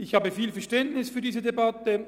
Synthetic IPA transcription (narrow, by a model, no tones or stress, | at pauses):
ɪçhaːbəfiːlfɛɐʃtɛntnɪsfyːɐdiːzədebatə